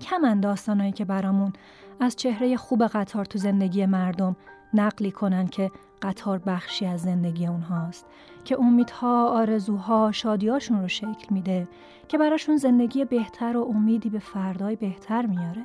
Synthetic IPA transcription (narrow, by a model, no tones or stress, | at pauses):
cʰæmænd̪ɒːst̪ɒːnɒːjiːcʰe̞bæɾɒːmun | æzt͡ʃʰe̞hɾe̞je̞xuːbe̞ɣæt̪ʰɒːɾt̪ʰuze̞nd̪e̞ɟije̞mæɾd̪o̞m | næɢliːkʰo̞nænd̪cʰe̞ | ɢ̥æt̪ʰɒːɾbæxʃiːæzːe̞nd̪e̞ɟiːjeunɦɒːst̪ | cʰe̞ʔo̞miːd̪̥hɒːɒːɾe̞zuːɦɒːʃɒːd̪iːɒːʃunroʃe̞cʰlmiːd̪e | cʰe̞bæɾɒːʃunze̞nd̪e̞ɟiːjebe̞ht̪ʰæɾo̞ʔomiːd̪iːbe̞fæɾd̪ɒːjbe̞ht̪ʰæɾmijɒːɾe̞